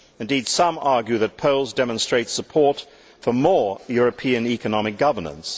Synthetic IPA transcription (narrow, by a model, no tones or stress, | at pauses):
ɨ̃ndid̥sʌ̃mɑɹɡjʉðɨt̚pʰoʊlˠzdɛmə̃nstɹ̥eɪtsəpʰɔɹt | fə˞mɔɹjʊɹɨpʰĩɨ̃nikɨnɑmɨk̚ɡ̥ʌvə˞nə̰̃ns